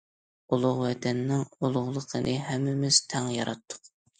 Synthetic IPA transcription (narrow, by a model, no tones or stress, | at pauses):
ulˠʊʁwɛt̪ʰɛnːɪŋulˠʊʁlˠəqʰənʔɨɦɛmːɪmɪz̥t̪ʰɛŋjɑɾɑt̪ʰːʊ̥q